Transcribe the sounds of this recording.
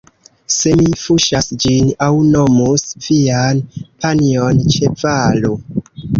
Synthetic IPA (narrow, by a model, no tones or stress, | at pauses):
se̞mifuʃasd͡ʒinawno̞musvianpʰaniont͡ʃe̞valo